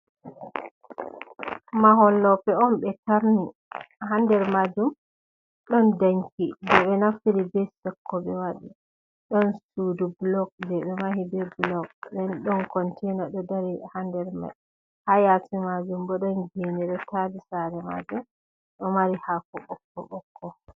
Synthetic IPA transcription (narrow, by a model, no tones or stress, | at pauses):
maɦɔlːɔpɛɔmɓɛtaɾni | handɛɾmad͡ʒum | ɗɔndaɲkibɛɓɛnaftiɾibɛsɔkːɔɓɛwaɗi | ɗɔnstudublɔɡ̚bɛɓɛmahibɛblɔɡ̚ɗɛnɗɔnkɔntʰɛnɔɗɔdaɾihandɛɾma̰j | hajatimad͡ʒumbɔɗɔnɡenɛɗɔtadisaɾɛma̰d͡ʒum | ɗɔmaɾihakɔɓɔkːɔ̰ɓɔkʰːɔ